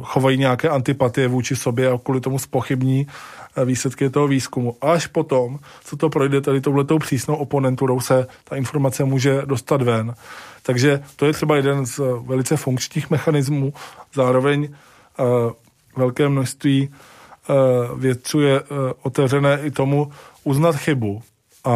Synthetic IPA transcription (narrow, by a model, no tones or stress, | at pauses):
xo̞vajiːɲɛakɛːʔant̪ɪpat̪ɪjɛvuːt͡ʃɪso̞bjɛakuːlɪt̪o̞muspo̞xɪbɲiːviːslɛt̪kɪt̪o̞ɦoviːskumuʔaʃpo̞t̪o̞m | t͡sot̪o̞pɾojdɛt̪adɪt̪owlɛt̪o̞wpr̥iːsno̞wʔopo̞nɛnt̪uɾowsɛt̪aʔɪnfo̞ɾmat͡sɛmuːʒɛdo̞st̪at̪vɛnt̪aɡʒɛt̪ojɛt̪r̥ɛbajɛdɛnzvɛlɪt͡sɛfuŋkt͡ʃɲiːxmɛxanɪzmuːzaːɾo̞vɛɲ | vɛlkɛːmnoʃst̪viː | vjɛt̪̚t͡suːjɛo̞t̪ɛvrɛnɛːʔɪt̪o̞muʔuznat̪xɪbu | ʔa